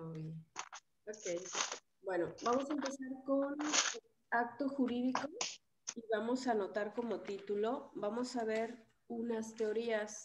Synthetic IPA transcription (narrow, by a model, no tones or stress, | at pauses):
oj | okej | bwe̞no̞bamo̞saempe̞saɾkon | ak̚t̪o̞xuɾiðiko̞ | iβamo̞sano̞t̪aɾko̞mo̞t̪it̪ulo̞bamo̞saβ̞e̞ɾ | unast̪e̞o̞ɾias